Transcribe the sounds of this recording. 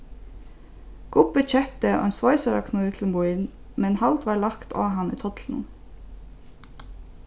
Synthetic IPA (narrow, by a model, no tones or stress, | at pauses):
ɡ̥ʊpəc͡çɛp̚t̪əo̰ːeːnsʋɔʏsəɾɑ̰kʰnuːt̪ʰl̩mbʊɪn | mɛnhɑlt̪ʋɑːɭɑkt̪ʰo̰ːhɑnḭːt̪ʰɔt̪ʰln̩